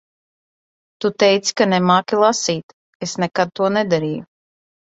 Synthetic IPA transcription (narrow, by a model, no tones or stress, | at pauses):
t̪ut̪ɛjt̪si̥kanɛmaːkʲilˠasiːt̪ | esnɛkad̪̚t̪uɔnɛd̪aɾiːju